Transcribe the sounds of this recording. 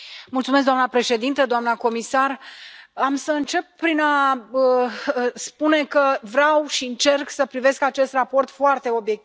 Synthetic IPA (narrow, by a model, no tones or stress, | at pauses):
mult̪sumes̬d̪oamnəpɾe̞ʃe̞d̪int̪əd̪oamnəko̞misaramsəɨnt͡ʃe̞p̚ːɾinaə | spune̞kəvɾeawʃiɨnt͡ʃe̞rksəpɾive̞skat͡ʃe̞st̪rapo̞rt̪foart̪e̞o̞bje̞k̚t̪i